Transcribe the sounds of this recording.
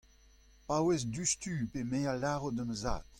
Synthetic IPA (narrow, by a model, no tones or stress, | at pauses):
pawezd̪yst̪ypemealaʁodəməza̰ːt̪